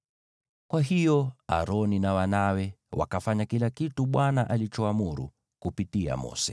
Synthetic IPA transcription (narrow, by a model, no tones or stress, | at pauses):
kwaɦijɔa̰ɾɔninawanawɛwa̰kafaɲakilakituɓwanaʔalit͡ʃɔamuɾṵ | kupitia̰mɔ̰sɛ